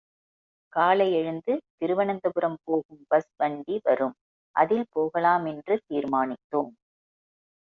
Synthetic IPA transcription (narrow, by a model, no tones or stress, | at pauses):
kaːlɐɪɛɻɯnd̪ɯt̪ɪɾɯʋɐɳɐnd̪ɐɣɯɾɐmpoːɣɯmbɐsʋɐɳɖiʋɐɾɯm | ʔɐ̰ðɪlpoːɣɐlaːmɛndrɯt̪iːɾmaːnɪt̪ːoːm